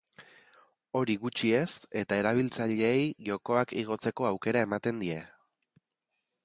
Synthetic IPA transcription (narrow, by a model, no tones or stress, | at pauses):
o̞ɾiɣut͡ʃie̞se̞t̪ae̞ɾaβ̞ilt͡saʎeːjʝo̞ko̞akiɣ̞o̞t͡se̞ko̞awke̞ɾae̞mat̪e̞nd̪ie̞